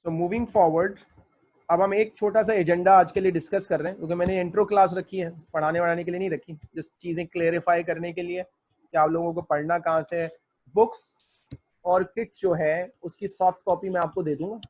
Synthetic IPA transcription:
soːmuːʋɪ̃ŋɡfɔːɾʋəɾɖ | ɐbɦɐmeːk̚t͡ʃʰoːʈas̬aed͡ʒɛ̃ɳɖaaːd͡ʒkelieɖɪskɐskɐɾːeɦɛ̃kjõːkemɛ̃ːneɪ̃ɳʈɾoːklaːs̬ɾɐkʰːiɦɛːpɐɽ̤aːnebɐɽ̤aːnek̬elienɐɦĩɾɐkʰːĩd͡ʒɪst͡ʃiːzẽkleːɾɪfaːjk̬ɐɾnekelie | kiaːploːɡõk̬opɐɽnakɐɦãse | bʊks | ɔːɾkɪʈ̚d͡ʒoːɦɛʊskisɔːfʈ̚kɔːpimɛ̃aːp̚kod̪eːd̪ũːŋɡaː

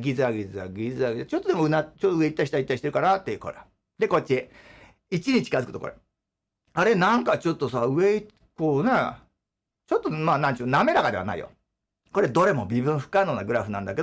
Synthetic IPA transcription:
ɡʲizɨaɡʲizɨa̰ɡʲizɨaɡizt͡ɕo̞t̪ːo̞d̪emoɯnat͡ɕot̪ːoɯ̟e̞it̪ːaiɕi̥t̪ait̪ːai̥t̪eɾɯ̟kaɾat̪ːeɯkoɾea | d̪e̞ko̞t͡ɕːi | it͡ɕiɲ̟it͡ɕi̥kazɨkɯ̟t̪okoɾḛ | aɾe̞nãŋkat͡ɕo̞t̪ːo̞saɯ̟e̞i | koːne | t͡ɕo̞t̪ːomaːnãɲt͡ɕːname̞ɾaɡad̪e̞a̰na̰ḭjo̰ | ko̞ɾe̞d̪o̞ɾe̞mo̞bʲibɯ̟̃ɰ̃ɸɯ̟̥kːainoːnaɡɯ̟ɾaɸɯ̟nãnd̪ake

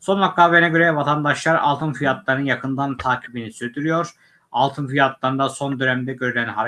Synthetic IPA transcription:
so̞nlˠakːavenaɡɟø̞ɾɛvat̪ʰand̪aʃlˠaɾa̰lˠt̪ɯnfijat̪lˠaɾɯnɯnjakʰɯnd̪ant̪ʰaːcʰibinisyɾd̪yɾyjo̞ɾ | alˠt̪ʰɯnfijat̪lˠaɾɯnd̪aso̞nd̪ønæmd̪ɛɟø̞ɾylʲænɦaɾ

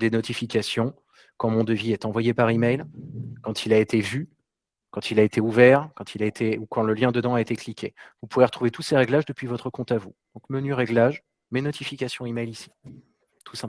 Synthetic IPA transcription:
d̪enɔt̪ifikʲasjɔ̃ | kɑ̃mɔ̃d̪əviɛt̪ɑ̃vwajepaʁimɛjlkɑ̃t̪ʰilaet̪evy | kɑ̃t̪ilaet̪ʰeuvɛʁkɑ̃t̪ʰilaet̪ʰeukɑ̃ləljɛ̃d̪əd̪ɑ̃aet̪eklikʲʰevupuveʁət̪χuvet̪useʁɛɡlaʒd̪əpɥivɔt̪χəkɔ̃t̪avud̪̥ɔ̃kmənyʁɛɡlaʒ | menɔt̪ifikʲasjɔ̃imɛjlisi̥ | t̪ʰusɛ̃

